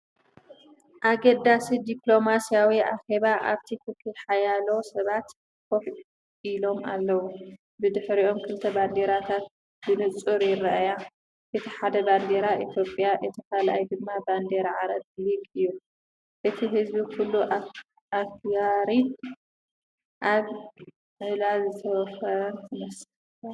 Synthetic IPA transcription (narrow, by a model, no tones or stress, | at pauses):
ʔaɡɐd̪asid̪iplo̞masijawiʔa̰xeβaʔa̰βt̪ʰikʰɨkɨħajalo̞sɐβat̪ | kʰoħ | ʔilo̞ma̰lːɐwu | bɨd̪ɨħɾiʔo̞mkʰɨlt̪ʰɐband̪eɾat̪ʰat̪ | bɨnɨt͡sʼuɾjɪrːaʔaja | ʔɨt̪ʰiħad̪ɐband̪eɾaʔit̪ʰjo̞pʼjaʔɨt̪ʰikʰalʔajd̪ɨmːaband̪eɾaʕaɾɐd̪likʼɨjːu | ʔɨt̪ʰiɦɨzbikʰulːuʔ | akjaɾin | ʔaβ | ʕɨlazɨt̪ʰɐwfɐɾɐnt̪ʰɨmɐs